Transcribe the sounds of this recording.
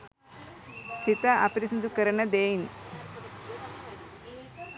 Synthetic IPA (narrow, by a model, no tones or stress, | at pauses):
sit̪aʔɐpɾisid̪ukɐɾɐnɐd̪eːjn